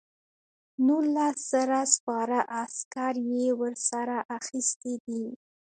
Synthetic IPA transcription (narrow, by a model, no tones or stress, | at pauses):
nulasz̥əɾaspɑɾaʔaskaɾjewəɾsaɾaʔaxist̪ed̪i